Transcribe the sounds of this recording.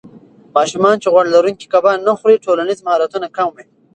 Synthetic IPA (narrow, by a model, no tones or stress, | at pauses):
mɑʃumɑnt͡ʃeɣwaɽlaɾuŋki̥kabɑnaxɾiʈolanizmahɑɾat̪unakamwi